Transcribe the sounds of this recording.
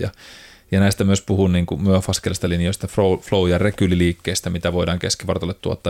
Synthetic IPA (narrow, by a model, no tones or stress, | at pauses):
jɑ̰ | jɑnæist̪æmyøspuhunniːŋkumyøfɑskelst̪ɑlinijost̪æfroufloujɑrekyliliːkːeːst̪æmit̪æʋoidɑːŋkeskiʋɑrt̪olːet̪t̪ːuo̰t̪ːɑˑ